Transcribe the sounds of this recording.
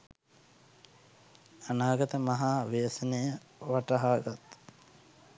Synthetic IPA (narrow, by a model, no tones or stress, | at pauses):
anaːɡɐt̪əmɐɦaːʋeːsənejəʋaʈɐɦaːɡat̪